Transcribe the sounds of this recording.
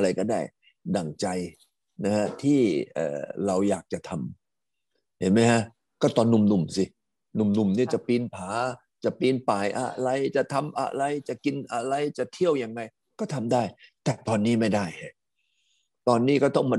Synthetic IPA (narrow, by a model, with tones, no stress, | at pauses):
ɾa˧jkɔː˥˩daː˥˩j | da˨˩ŋt͡ɕa˧j | na˦˥kʰa˦˥t̪ʰiː˥˩ʔə̰ː˨˩ɾa˧wjaː˨˩k̚t͡ɕa˨˩t̪ʰa˧m | he˨˦nma˦˥jkʰa˦˥ʔ | kɔː˥˩t̪ɔː˧nːu˨˧˩mnu˨˩msi˧ | nu˨˩mnu˨˩mniː˥˩t͡ɕa˨˩piː˧npʰaː˩˦ | t͡ɕa˨˩piː˧npaː˨˩jʔa̰˧ɾa˧jt͡ɕa˨˩t̪ʰa˧mʔa̰˧ɾa˧jt͡ɕa˨˩ki˧nʔa˧ɾa˧jt͡ɕa˨˩t̪ʰi˥˩əwja˧ŋːa˧j | kɔː˥˩t̪ʰa˧mdaː˥˩jt̪ɛː˨˩t̪ɔː˧nːiː˦˥˩ma˥˩jdaː˥˩ja˨˩ | t̪ɔː˧nːiː˦˥kɔː˥˩t̪ɔ˥˩ŋmaː˧